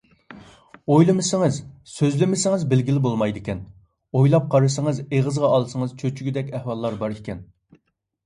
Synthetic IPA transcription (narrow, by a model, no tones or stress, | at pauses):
ojlˠɨmɨsɪŋɨzsøzlɪmɪsɪŋɨzbɪlɡʲilɪbolˠmɑjd̪ɪkʲɛn | ojlˠɑp̚qʰɑɾɨsəŋəzeʁəzʁɑɑlˠsəŋɨzt͡ʃʰøt͡ʃʰyɡʲyd̪ɛkʲɛhwɑlˠːɑɾbɑɾekʲʰɛn